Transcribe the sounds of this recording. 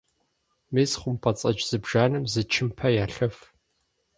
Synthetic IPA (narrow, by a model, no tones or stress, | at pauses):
meːsχʷʊmpʰɐt͡sʼɐt͡ʃʼz̥ɨbʒaːnɨmzɨt͡ʃʰɪmpʰɐjaːɬɐf